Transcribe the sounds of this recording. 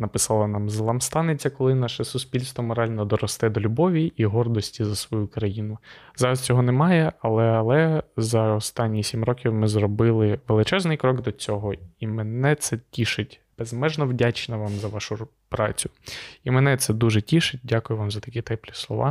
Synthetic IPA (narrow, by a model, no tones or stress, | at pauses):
nɐpɪsɑlˠɐnɑmzlˠɐmst̪ɑnɪt͡sʲːɐkɔlˠɪnɑʃɛsʊsʲpʲilʲst̪ʋɔmɔɾɑlʲnɔd̪ɔɾɔst̪ɛd̪ɔlʲʊbɔʋʲiʔiɦɔrd̪ɔsʲtʲizɐsʋɔjukɾɐjinʊzɑɾɐst͡sʲɔɦɔnɛmɑjɛɐlˠɛɐlˠɛzɐɔst̪ɑnʲːijsʲimrɔkʲiwmɪzrɔbɪlˠɪʋelˠɪt͡ʃɛznɪjkɾɔɡd̪ɔt͡sʲɔɦɔimenɛt̪sɛtʲiʃɪtʲb̥ezmɛʒnɔwdʲat͡ʃnɔʋɑmzɐʋɑʃʊ | pɾɑ̰t͡sʲʊimɛnɛt̪sɛd̪uʒɛtʲiʃɪt̚ʲdʲakʊjʊʋɑmzɐt̪ɐ̥kʲit̪ɛplʲislˠɔʋʔɑ̰